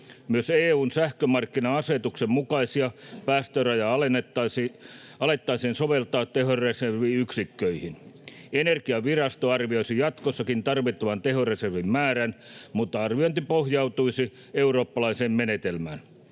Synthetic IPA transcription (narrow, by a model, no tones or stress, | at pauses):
myøseːuːnsæhkømɑrkːinɑɑset̪uksemmukɑisiɑpæːst̪ørɑjɑɑenetːɑs | ɑlet̪ːɑiseːnsoʋelt̪ɑːt̪teɦoreserʋiyksikːøihinenerkiɑʋirɑst̪oɑrʋioisijɑt̪kosːɑkint̪ɑrʋit̪ːɑʋɑnt̪eɦoreserʋimmæːɾænmut̪ːɑɑrʋioint̪ipohjɑut̪uisi | euro̞ːpːɑlɑiseːmmenet̪elmæ̰ːn